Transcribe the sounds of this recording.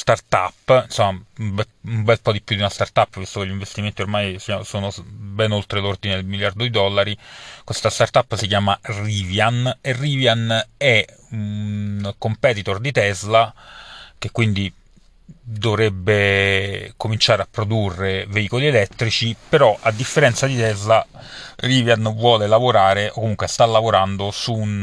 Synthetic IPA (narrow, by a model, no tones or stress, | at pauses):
st̪art̪a̰pːinsomːaubɛ | umbɛlpɔd̪ipːjud̪iunast̪art̪apːvist̪okeʎːiɱvest̪iment̪iormajsiansoːnobɛnolt̪ɾelord̪ined̪elmiljard̪od̪id̪ɔlːaɾikwest̪ast̪art̪apːsikjaːmariːvjaneriːvjanɛ | unkompɛt̪it̪ord̪it̪ɛzla | k̟ekːwind̪i | d̪ovɾɛbːe | komint͡ʃaːɾeapːɾod̪urːeveiːkolielɛt̪ːɾit͡ʃipeɾɔʔad̪ːifːeɾɛnt̪sad̪it̪ɛzlariːvjanvwɔːlelavoɾaːɾeʔokːomuŋkwest̪alːavoɾand̪osun